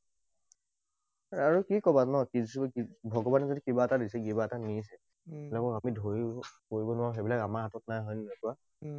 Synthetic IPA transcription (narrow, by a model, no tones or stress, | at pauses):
aɹukikɔbanɔkizskibʱɔɡɔbanɛzodikibaːtadisɛɡibaːtanis̬ɛ | bilakɔkamidʱoɹikoɹibɔnʊwaɹuɦebilakamaɹɦatɔtnajɦɔjnnɔkua